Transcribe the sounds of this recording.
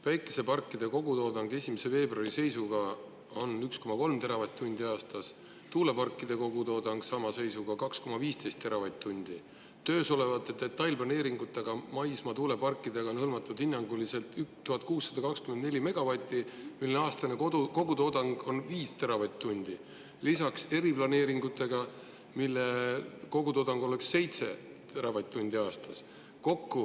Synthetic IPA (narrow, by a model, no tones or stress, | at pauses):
væjkːˑe̞̥se̞pɑrkːˑid̪̥e̞ko̞ɡut̪o̞ːd̪ɑŋɡe̞sʲimese̞ve̞ːbrɑrise̞jsuɡ̥ɑ | o̞nyksko̞mɑko̞lmt̪e̞ɾɑvɑt̪t̪ːunʲd̪̥iɑːst̪ɑs | t̪uːle̞pɑrkːˑid̪̥e̞ko̞ɡut̪o̞ːd̪ɑŋɡ̥sɑmɑse̞jsuɡ̥ɑkɑksko̞mɑviːst̪e̞jst̪ːe̞ɾɑvɑjt̪̚t̪ːunʲd̪̥i | t̪ø̞ːso̞le̞vɑt̪ːˑet̪ːe̞t̪ːˑɑjlplɑne̞ːɾiŋɡ̥ut̪ːˑeɡ̥ɑmɑjsmɑt̪uːle̞pɑrkːˑid̪eɡ̥ɑo̞nhɤlmɑt̪ːˑud̪̥hinːɑŋɡ̥ulise̞lt̪ykt̪uɦɑt̪̚kuːsːɑd̪ɑkɑkskymend̪ne̞lʲime̞ɡ̥ɑvɑt̪ʲˑːimilːneɑːst̪ɑneko̞ɡ̥ut̪o̞d̪ɑŋɡ̥o̞nviːst̪eɾɑvɑjt̪ʲt̪ːunʲd̪̥i | lisɑkse̞ɾiplɑne̞ːɾiŋɡ̥ut̪ːˑe̞ɡ̥ɑ | milːeko̞ɡut̪o̞ːd̪ɑŋɡ̥o̞le̞ksːe̞jt̪se̞̰ | t̪eɾɑvɑjt̪̚ʲˑt̪ːunʲd̪̥iɑːst̪ɑs | ko̞kːu